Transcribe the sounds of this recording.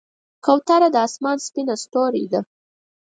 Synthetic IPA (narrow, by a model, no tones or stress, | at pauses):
kawt̪aɾad̪əɑsmɑnspinast̪oɾḭd̪a